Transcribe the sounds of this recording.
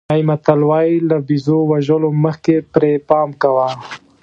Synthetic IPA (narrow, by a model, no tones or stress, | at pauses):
ajmat̪alwɑilabizowaʒəloməxkepɾepɑmkawa